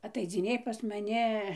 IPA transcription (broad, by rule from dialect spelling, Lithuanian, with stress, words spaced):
ɐtɐɪd͡zʲɪˈnʲeːj pɐs mɐˈnʲɪ